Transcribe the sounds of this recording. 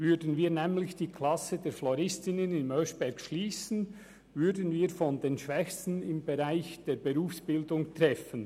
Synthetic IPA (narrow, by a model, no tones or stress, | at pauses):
vʏdən̩viːnɛːmlɪçd̥iːkʰl̥ɑsədeːɾflɔɾɪstɪnənɪnmœʃb̥ɛɾɡʃliːsən̩ | vʏɾdənviːɾfɔndeːnʃv̥ɛçstn̩ɪmbeʁaɪçd̥eːɾbeʁuːfsb̥ɪldʊŋtʁ̥ɛfən